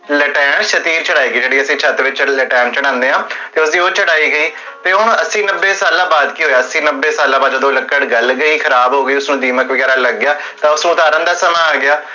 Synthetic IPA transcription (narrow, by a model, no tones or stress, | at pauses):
ləʈɛːɳʃət̪iːɾt͡ʃəɽaːiːɡəiːd͡ʒeːɽiːəsĩːt͡ʃʰət̪ʋɪt͡ʃləʈɛːnt͡ʃəɽ̃ãːnd̪eːɦãːt̪eːʊsd̪iːoːt͡ʃəɽaːiːɡəiː | t̪eːʊɳəsĩːnəbːeːsaːlãːbaːd̪kiːɦoːjaːəsĩːnəbːeːsaːlãːbaːd̪oːd̪oːləkːəɽɡəlɡəiːkʰəɾaːbɦoːɡəiːʊsnũːd̪iːməkʋəɡɛːɾaːləɡːɪjaː | t̪ãːʊsnũːt̪aːɾə̃ːnd̪aːsəmãːaːɡɪaː